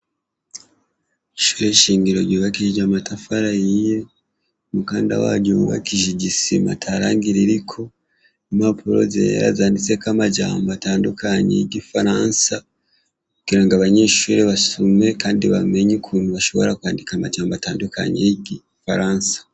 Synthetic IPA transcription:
iʃuːɾeʃiːŋɡiɾo̞ɾɟuβakiʒiɟamatafaɾajije | mukaːnda̰wa̰ɟuβuβa̰kiʒeɟisima̰tʰaɾaːŋɡiɾiɾikʰo̞ | imapʰuɾo̞̰zḛḛɾa̰zaːndit͡se̞kamaɟa̰ːmataːndukʰaɲḛjiɟifaɾansa | kuɡ̥iɾaŋɡaβaɲe̞ʃuːɾeβasume̞kaːndiβa̰me̞ɲukʰuːn̥huβaʃo̞βo̞ɾakwaːndikamaʒaːmbataːndukʰa̰ɲḛjiɟi | faɾansḁ

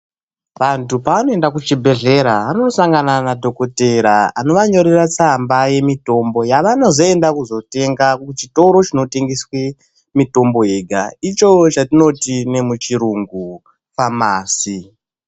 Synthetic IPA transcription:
ʋantupaʋano̞e̞ndakut͡ʃibʱe̞ɮe̞ɾaanosaŋɡananadʱo̞ko̞teɾaano̞ʋaɲo̞ɾerat͡sambaje̞mito̞mbo̞jaʋano̞zo̞endakuzo̞te̞ŋɡaut͡ʃito̞ɾo̞t͡ʃino̞te̞ŋɡiswe | mito̞mbo̞e̞ɡʱa̰it͡ʃo̞t͡ʃatino̞tine̞mut͡ʃiɾuŋɡu | pamaːsi

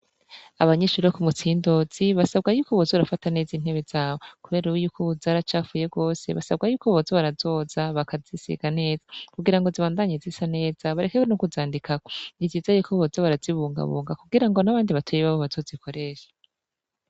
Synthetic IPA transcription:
aβaɲiʃuɾokumut͡siːndo̞z̥iβasabɡajuːkoβozouɾafatane̞ːzin̥he̞βezaːβo̞kuβe̞ːɾuujuːkʰouzaːɾat͡ʃaːfuje̞ɡo̞ːse̞̰βa̰saβ̚ɡajuːkoβozaβaɾazo̞zaβakazisḭɡ̥ane̞ːzakuɡiɾaŋɡo̞ziβaːndaɲezisane̞ːz̥aβaɾekekwonukuzaːndikakoiziːzajuːkʰoβozaβaɾaziβuːŋɡa̰βṵːŋɡakuɡiɾaŋɡo̞naβaːndiβatʰojiβaβoβazo̞ːzikʰo̞ɾe̞ːʃḁ

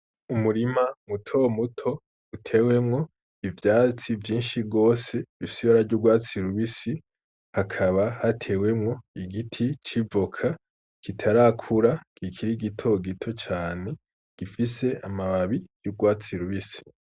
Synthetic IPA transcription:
umuɾimamutʰo̞mutʰo̞ | utʰe̞ːwe̞mŋo̞ | ivjaːt͡sivjiːnʃiɡo̞ːse̞usiβaɾaɾɟuɡwaːt͡siɾuβisi | hakʰaβahatʰe̞we̞mŋo̞iɡitʰit͡ʃivokʰa | kʰitʰaɾakʰuɾakʰikʰiɾiɡitʰo̞ɡitʰo̞t͡ʃaːne̞ | ɡ̥ifise̞amaβaβijuɡwaːt͡siɾuβisi̥

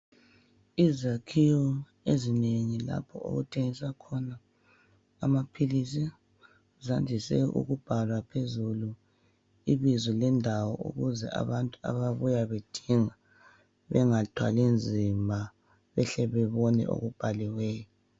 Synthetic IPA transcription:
izakʰiɔ | ezineŋila̰pʰɔ̰o̰ɣutʰeŋisakʰɔnaː | mapʰilisi | zandʱisɛ̰ṵɣub̥ʱalwapʰezulu | iβizɔlɛndʱawɔṵɣuzɛa̰βantʼua̰βaβujaβed̥ʱiŋa | βɛŋatʰwa̰lind͡zʱimʱa | βɛɬɛβɛβɔnɛ̰o̰ɣub̥ʱaliwɛːjɔ

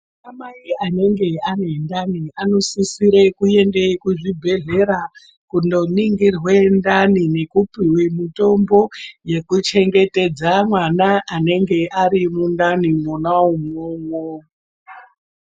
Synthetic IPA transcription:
amaiane̞ŋɡe̞anendaniano̞sisiɾe̞kue̞ndekuʐibʱe̞ɮe̞ɾa | kundo̞niŋɡirwendanine̞kupiwimito̞mbo̞je̞kut͡ʃe̞ŋɡe̞te̞d͡zamwanaʔːne̞ŋɡe̞ʔaɾimundanimonaumwomo

